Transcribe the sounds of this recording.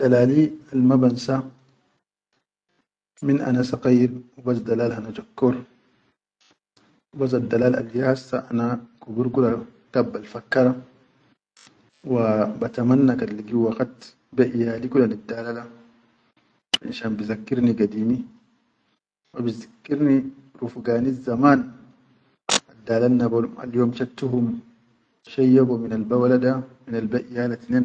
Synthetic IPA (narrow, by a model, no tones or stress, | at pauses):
d̪̥alaːlialmabansa | minʔa̰nasɑqiːɾwibasd̪alaːlhanad͡ʒakːuɾ | wbas̬ad̪ːalaːla̰lːijahasːaʔanakubuɾkulat̪abːalfakːɑɾˤa | wabat̪amanːakaliɡiwaqat̪ | baʔjalikulanad̪ːaːlala | ʔḭnʃaːnbizakːiɾniɡad̪iːni | wabizakːiɾniɾufɡaːnizamaːn | ad̪ːaːlaːabaa̰ljoːmʃat̪ːuɦum | ʃajːabuminalbawaladaminalbaʔjalat̪nen